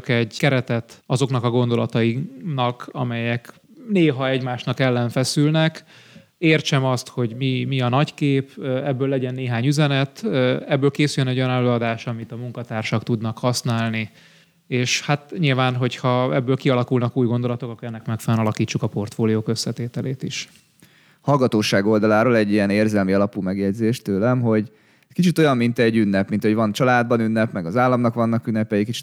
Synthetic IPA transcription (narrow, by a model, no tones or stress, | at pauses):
kɛɟkɛɾɛt̪ɛt̪ɒzo̞knɒkɒɡo̞nd̪o̞lɒt̪ɒjinɒkɒmɛjɛk | neːɦɒɛɟmaːʃnɒkɛlːɛɱfɛsylnɛk | eːrt͡ʃɛmɒst̪ho̞ɟmimiɒnɒckeːpɛbːøːlːɛɟɛnːeːɦaːɲyzɛnɛt̪ɛbːøːlkeːsyljønɛɟːo̞jɒnɛløːɒd̪aːʃɒmit̪ɒmuŋkɒt̪aːrʃɒkt̪ud̪nɒkhɒsnaːlni | eːʃhat̪ɲilvaːnɦo̞chɒɛbːøːlkiɒlɒkulnɒkuːjɡo̞nd̪o̞lɒt̪o̞kɒkːɾɛnːɛkmɛkfɛlɛnɒlɒkiːt͡ʃːukɒpo̞rt̪foːlijoːkø̞sːɛt̪eːt̪ɛleːt̪iʃ | hɒlɡɒt̪oːʃaːɡo̞ld̪ɒlaːɾoːlɛɟːijɛneːrzɛlmiɒlɒpuːmɛɡjɛɟzeːʃt̪øːlɛmɦo̞ɟ | ɛckit͡ʃit̪o̞jɒmmint̪ɛɟːynːɛpmint̪ɒɦovɒnt͡ʃɒlaːd̪̚bɒnynːɛpmɛɡɒzaːlːɒmnɒkʋɒnːɒkynːɛpɛjikit͡ʃi̥